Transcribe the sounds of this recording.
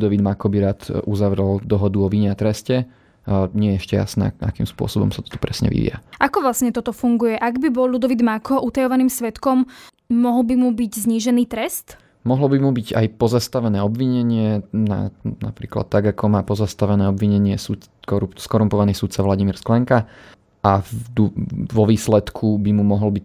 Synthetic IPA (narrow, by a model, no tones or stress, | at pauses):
d̪ɔʋid̪makɔbiɾaːt̪uzaʋɾɛld̪ɔɦɔd̪uɔʋiɲɛat̪ɾɛscɛ | ɲɪɛjɛɛʃcɛja̰snɛ̰ːʔa̰kiːmspʊɔ̰sɔbɔ̰msat̪ɔ̥t̪u̥pɾɛsɲɛ̰ʋḭʋḭa̰ʔakɔʋlasɲɛt̪ɔt̪ɔfuŋɡujɛʔaɡbibɔllud̪ɔʋid̪makɔʔut̪ajɔʋaniːmsʋɛt̪kɔmː | ɔɦl̩bimubiɟzɲiːʒɛniːt̪ɾɛst̪ | mɔɦlɔbimubiɟa̰jpɔzast̪aʋɛnɛːɔbʋiɲɛɲɪɛna̰na̰pɾḭːkla̰t̪ːaɡakʰɔmaːpɔzast̪aʋɛnɛːɔbʋiɲɛɲɪɛsu | kɔɾuskɔɾumpɔʋaniːsut̪t͡saʋlaɟimiːɾsklɛŋka | ʔad̪ʋɔʋiːslɛt̪kʰubimumɔɦɔlbic